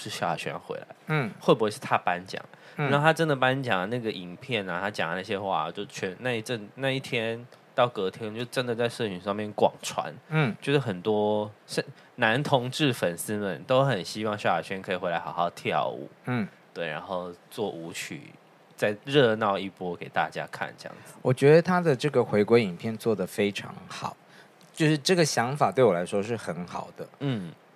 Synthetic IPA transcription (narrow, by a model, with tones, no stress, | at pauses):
ʂɻ̩˥˩ɕjɑ˥˩ʊja̰˨˩ɕɥɛ̰˥xwḛ˧˥ɪla̰˧˦ɪ˥xwe˥˩pɔ˧˥ʂɻ̩˥˩t̪ʰa˥˧pa˥nt͡ɕjɑ̰˨˩˦ŋ | a˥˧˥o˥˧˩t̪ʰa˥ʈ͡ʂə˦˥nd̪ə˨˩pa˥nt͡ɕjɑ˨˩ŋə˩na˥˩ɡə˩ʔi˨˩ŋpʰjɛ˥˩na˨˩t̪ʰa˥t͡ɕjɑ˨˩ŋ˦na˥˩ɕ̬jɛ˧˥xwa̰˥˧˩t͡ɕjo˥˧ʊt͡ɕʰɛ˧˥na˥˧i˥˩ʈ͡ʂə˥˧˩ŋna˥˧i˥˩t̪ʰjɛ˥nt̪ɑ˥˩ʊkɤ˧˥t̪ʰjɛ˥nt͡ɕjo˥˧ʊʈ͡ʂə˦˥nd̪ə˨t͡sa˥˧ɪʂɤ˥˧˩t͡ɕʰy˧˥ŋʂɑ˥˧ŋmjɛ˥˩nkwɑ̰˨˩ŋʈ͡ʂʰwa̰˧˥˦n˥˩t͡ɕjo˥˧ʊʂ̩˥˩xə˨˩nt̪wɔ˥ɕə˥˩n | na˧˥nt̪ʰʊ˧˥ŋʈ͡ʂɻ̩˥˩fə˨˩nsɹ̩˥mə˨˩nt̪o˥ʊxə˨˩nɕi˥wɑ˥˧ŋɕjwa̰˨˩ɕɥɛ˥nkʰɤ˧˥i˨˩xwe˧˥ɪla˧˥ɪxɑ˨ʊxɑ˥˧ʊt̪ʰjɑ̰˥˨˩ṵ˨˩˦t̪we˥˩ɪɻa̰˧˥nxo˥˧ʊt͡swɔ˥˩ʔu˧˥t͡ɕʰy̰˨˩ | t͡sa˥˧ɪɻɤ˥˧nɑ˥˧ʊi˥˩pwɔ˥ke˨˩ɪt̪a̰˥˧t͡ɕja̰˥kʰa̰˥˩nʈ͡ʂɤ˥˧jɑ̰˥˩ŋd͡z̩˨wɔ˨˩t͡ɕɥɛ˧˥d̪ə˧t̪ʰa˥d̪ə˨ʈ͡ʂɤ˥˩ɡə˩xwe˧˥ɪkwe˧˥ɪi˨˩npʰjɛ˥˧nt͡swɔ˥˩d̪ə˩fe˥ɪʈ͡ʂʰɑ̰˧˥ŋxɑ˨˩˦ʊ | t͡ɕjo˥˧ʊʂɻ̩˥˧ʈ͡ʂɤ˥˩ɡə˩ɕjɑ˧˥ŋfa˨˩t̪we˥˩ɪwɔ˨˩la˧˥ɪʂwɔ˥ʂɻ̩˥˩xə˧˥nxɑ˨˩ʊd̪̥ə˦n̩˥˩